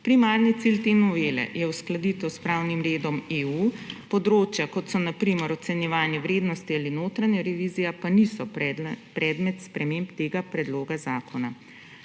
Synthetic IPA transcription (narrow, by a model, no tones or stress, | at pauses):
pɾimaːɾnit̪silt̪enɔʋeːlɛ̰jɛwsklad̪it̪ɛwspɾawnimɾeːd̪ɔmeupɔd̪ɾoːt͡ʃjakɔt̪sɔnapɾiməɾɔt̪sɛnjɛʋaːnjɛʋɾeːd̪nɔst̪ialinoːt̪ɾanjɛɾɛʋiːzijapanisɔpɾɛːd̪mɛt̪spɾɛmeːmpt̪eːɡapɾɛd̪loːɡazaːkʰɔna